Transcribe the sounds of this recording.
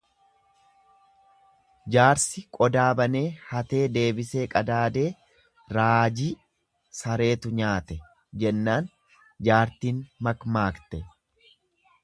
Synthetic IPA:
d͡ʒaːɾsɪkʼɔd̪aːbɐne̞ːhɐt̪e̞ːd̪e̞ːbɪse̞ːkʼɐd̪aːd̪e̞ː | ɾaːd͡ʒi | sɐɾe̞ːt̪ʊɲaːt̪ɛ | d͡ʒɛnːaːn | d͡ʒaːɾt̪iːnmɐkmaːkt̪ɛ

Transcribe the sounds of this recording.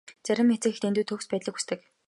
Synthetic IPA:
t͡sæɾʲɪ̆mxet͡sɘ̆xt̪ent̪uːt̪ʰɵwspæːt̪ɮə̆xu̥st̪ʰɘ̆k

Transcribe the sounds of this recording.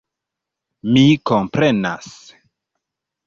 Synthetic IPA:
mikompɾena̰s

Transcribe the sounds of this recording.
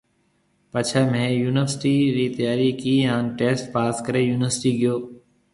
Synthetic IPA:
pət͡ʃʰemɛ̃ːjuːnɪʋəɾsɪʈiːɾiːt̪əjaːɾiːkiːɦãːnʈeːsʈpaːskəɾeːjuːnɪəɾsʈiːɡɪjoː

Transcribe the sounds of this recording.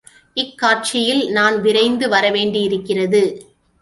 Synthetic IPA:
ʔɪkːaːɾt͡ʃɪjɪlnaːnʋɪɾɐɪnd̪ɯʋɐɾɐʋeːɳɖɪjɪɾɯkːɪrɐðɯ

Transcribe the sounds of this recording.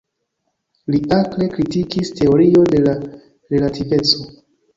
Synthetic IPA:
liʔakle̞kɾitikistʰe̞o̞ɾio̞de̞la | ɾe̞latʰive̞t͡so̞

